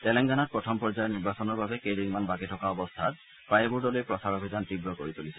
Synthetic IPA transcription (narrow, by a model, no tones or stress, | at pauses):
t̪ɛlɛŋɡanat̚pɹɔtʰɔmpɔɹzajɔniɹbasɔnɔɹbʱabekediŋmanbakitʰɔkaɔbɔst̪ʰat̪̚ | pɹajebuɹdɔlojpɹɔsaɹobʱizant̪ibɹɔkoɹit̪ulisʰɛ